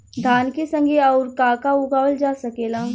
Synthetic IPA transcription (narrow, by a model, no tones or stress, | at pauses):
d̪ʱaːnkesə̃ŋɡʱeɔːɾkaːkaʊɡaːʋəld͡ʒaːsɐkeːlaː